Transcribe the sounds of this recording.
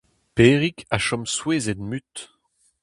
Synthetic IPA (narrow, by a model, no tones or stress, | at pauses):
peːʁikʰaʃɔmsweːzed̪myt̪